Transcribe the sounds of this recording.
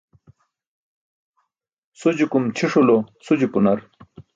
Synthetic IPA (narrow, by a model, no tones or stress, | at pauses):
sud͡ʑikumt͡ɕʰiʂulosud͡ʑipunɐɾ